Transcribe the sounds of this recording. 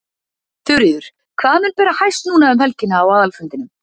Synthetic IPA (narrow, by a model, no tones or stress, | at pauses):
θʏɾðʏɾ̥ | kʰvaːmɛnpɛːɾahajst̪nuːnaʏmhɛlcɪnaːwaːðalfʏnt̪ɪnʏm